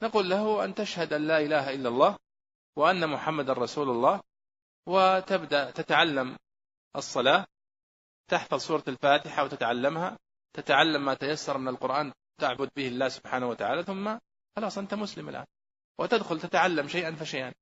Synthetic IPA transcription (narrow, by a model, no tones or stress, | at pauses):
naɑquːlːaɦʊʔant̪aʃhad̪ʔanlaːʔɪlaːɦaʔɪlːalˤːɑːh | wɪʔanːamʊħamːad̪anɾˤɑsuːlalˤːɑːh | wɪt̪abd̪aʔt̪at̪aʕalːam | ʔɑsˤːɑlaː | t̪aħfɑðˤsˤuːɾˤɑlfaːt̪ɪħawt̪ɪt̪ʕalːamha | t̪at̪aʕalːamːaːt̪ajasːɑɾˤmɪnalqʊɾʔaːn | t̪aʕbʊd̪̚bɪhɪlːaːhsʊb̥ħaːnawat̪aʕaːlaθʊmːa | xɑlɑːsˤʔant̪amʊslɪma̰lʔa̰ːn | wɪt̪ad̪xʊlt̪at̪aʕalːamʃajʔanfiʃajʔan